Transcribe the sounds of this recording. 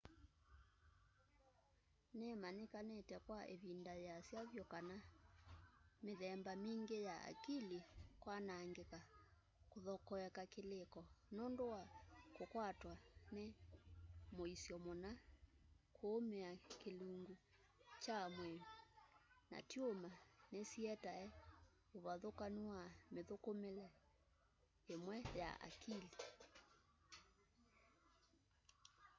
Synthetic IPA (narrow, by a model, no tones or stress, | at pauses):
nɛmanekanɛtɛkwaʔeβindajasjaβjɔkana | meðɛmbamiŋɡejaa̰kilikwanaŋɡeka | koðɔkɔɛkakelekɔnondowakokwatwane | moisjɔmona | kʰoːmeakeluŋɡu | t͡ʃamwɛmna̰tjomanesiɛtaɛ | oβaðokanuwameðokomelɛ | emwɛja̰ʔa̰kili